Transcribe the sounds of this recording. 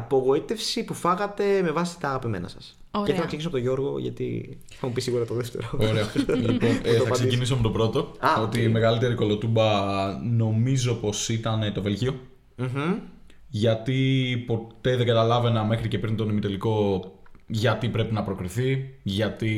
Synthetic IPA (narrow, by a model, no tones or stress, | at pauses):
ɐpo̞ɣo̞it̪e̞fsipufɐɣɐt̪e̞me̞vɐsi̥t̪ɐːɣɐpime̞̰nɐsɐs | oeθenɐksecisoɐpot̪oʝo̞ɾɣo̞̰ʝɐ̰t̪ḭ | θɐmupisiɣuɾɐt̪oðeft̪e̞̰ɾooɾeɐlionɐɐsecinisomet̪o̞bɾo̞t̪o̞ɐo̞t̪ime̞ɣɐlit̪e̞ɾiko̞lo̞t̪ubɐno̞mizo̞po̞sit̪ɐne̞t̪o̞ve̞lʝio̞ | m̩ɦ̩ | ʝɐt̪ipo̞tt̪e̞ðeɡɐt̪ɐlɐve̞nɐme̞xɾice̞pɾint̪o̞nemit̪e̞liko̞ | ʝɐt̪ipɾe̞pinɐpɾo̞kɾiθiʝɐt̪i